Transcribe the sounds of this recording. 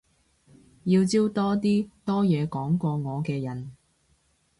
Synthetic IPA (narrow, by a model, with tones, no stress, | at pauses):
jiː˧wt͡siː˥wt̪ɔː˥t̪iː˥t̪ɔː˥jɛː˨˧kɔː˨˥ŋkʷɔː˧ŋɔː˨˧kɛː˧jɐ˨˩n